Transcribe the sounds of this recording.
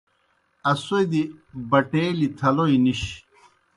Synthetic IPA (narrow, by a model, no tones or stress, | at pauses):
ɐsojd̪ibɐʈeːlit̪ʰɐloiniɕ